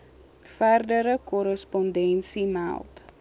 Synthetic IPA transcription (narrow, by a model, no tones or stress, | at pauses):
færdəɾəkɔɾəspɔndɛnsimæ̰lˠt